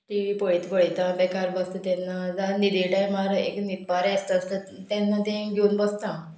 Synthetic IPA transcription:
ʈiʋiːpəɭit̪bəɭt̪ãbɛkaɾbəst̪ət̪ɛnːad͡zaɦnid̪iʈajmaɾəeknit̪baɾast̪əːst̪ə | t̪ɛnːat̪ẽɡʱeũnbəst̪ã

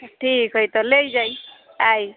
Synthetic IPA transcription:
ʈʰiːkɦojt̪ɔleid͡ʒai | ai

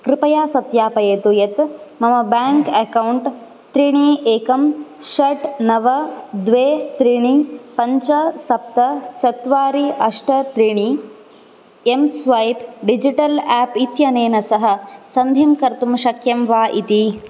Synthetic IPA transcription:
kɾɪpɐjaːsɐt̪jaːpɐjeːt̪ujɐt̪mɐmɐbaːŋkɐkɐwɳʈ | t̪ɾiɳiːʔeːkɐmʃɐʈnɐʋɐd̪ʋeːt̪ɾiɳipɐɲt͡ʃɐsɐp̚t̪ɐt͡ʃɐt̪ʋaːɾiʔɐʂʈɐt̪ɾiɳi | emsʋɐjpɖid͡ʒiʈɐlaːpit̪jɐneːnɐsɐɦɐ̆sɐnd̪ʱimkɐɾt̪umʃɐkʰjɐmʋaːʔit̪i

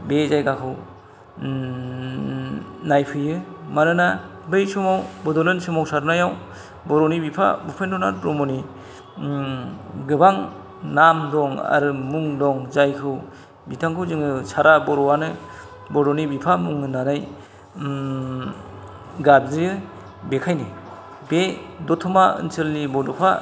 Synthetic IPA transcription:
bezajɡakʰɯw | najpʰɯjɯmanɯnabɯjsumawbɔdɔlɯnsɯmawsaɾnajaw | bɔɾɔnibipʰa̰bɯpʰendɔnaɾpɾɔmɔni | ɡɯbaŋ | namdɔŋa̰ɾɯmuŋdɔŋzajkʰɯw | bitʰaŋkʰɯwzɯŋɯsʰaɾabɔɾɔwanɯ | bɔdɔnibipʰamuŋɯnanaj | ɡadzi | bekʰajni | b̥edɔtʰɔmaɯ̰nsɯlnibɔdɔpʰa

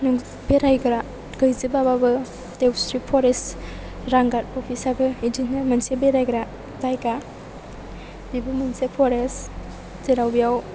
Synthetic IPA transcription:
nuŋ | beɾajɡɾa | ɡəjzɯbababɯ | tewsɾipʰɔɾest | ɾaŋɡaɾɔpʰisabɯidinnɯmɐnsebeɾajɡɾa | zajɡa | bibɯmɐnsepʰɔɾes | z̥eɾawbijaw

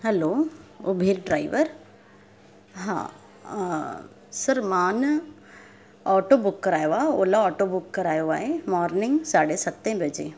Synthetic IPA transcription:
ɦɛloːubʱilɖɾaːiʋəɾ | ɦã̰ | sɐɾmaːn | ɔːʈoːbʊkːəɾaːjʋaoːlaɔːʈobʊkːəɾaːjoʋaːɦemɔːɾnɪ̃ŋɡsaːɽesɐt̪ːẽbʱəd͡ʒḛː

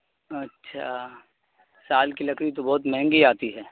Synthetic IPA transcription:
ɐtːʃʰa̰ | saːlkilɐkʰɾit̪obɔːʊt̪mɛɦɛ̃ŋɡiaːt̪iɦɛː

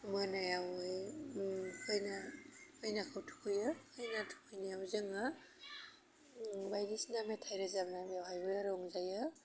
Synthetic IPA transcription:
mɯnajawɯj | hʰɯjnahɯjnakʰawtʰu̥kʰɯjɯhɯjnatʰu̥kʰɯjnajawzɯŋa | bajdisnametʰajɾɯzabnabawɦajbɯjaɾɔŋzajɯ

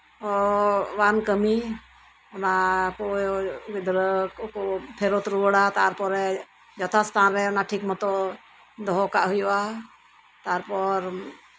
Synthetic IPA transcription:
ɔbankəmi | ɔnakɔʔid̪ɾəkkɔpʰɛɾot̪ɾuwəɽat̪aɾpɔɾɛ | d͡ʒɔt̪ʰast̪ʰanɾɛɔnaʈʰikmɔt̪ɔ | d̪ɔɦɔkaʔɦujɔʔa | t̪aɾpɔɾ

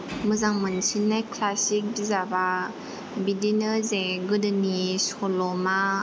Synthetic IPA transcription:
mɯzaŋmɯnsʰinːajkʰlasik̚bizaba | bidinɯzeɡɯdɯnisɔlɔma

